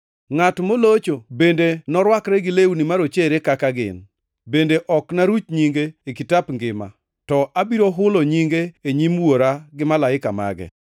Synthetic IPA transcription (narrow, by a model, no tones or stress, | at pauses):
ŋatmolot͡ʃobendenɔɾwakɾɛɡɪleunimaɾot͡ʃeɾekakaɡɪ̰n | bendeʔɔknaɾut͡ʃɲiŋɡeːkitapŋɡɪma̰ | tɔʔabiɾoɦʊloɲiŋɡeeɲimwoɾaɡɪmalaɪkama̰ɡɛ̰